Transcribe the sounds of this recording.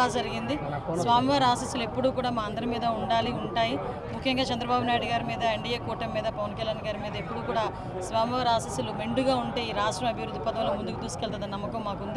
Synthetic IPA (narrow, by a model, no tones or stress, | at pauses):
aːd͡ʒɐɾiɡind̪isʋaːmiʋaːɾaːsiːsuluepːuɽuːkuːɽaːmaːɐnd̪ɐɾɐmiːd̪ɐuɳɖaːliuɳʈaːji | mukʰːjɐŋɡaːt͡ʃɐnd̪ɾɐbaːbunaːjɽuɡaːɾumiːd̪ɐeɳɖijeːkuːʈɐmːiːd̪ɐpɐʋɐnkɐljaːnɡaːɾumiːd̪ɐepːuɽuːkuːɽaː | sʋaːmiʋaːɾaːsisulumeɳɖuɡaːuɳʈe̞ːiːɾaːʂʈɾɐmɐbʱjɐʋɾud̪ːipɐd̪ɐmloːmund̪ukut̪uːskeɭt̪ɐd̪ɐnɐmːɐkɐmːaːkund̪i